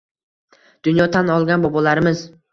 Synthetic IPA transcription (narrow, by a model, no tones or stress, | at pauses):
d̪̥ʊnjɒt̪ʰanɒlˠɡʲanbɒbɒlaɾɪmɪz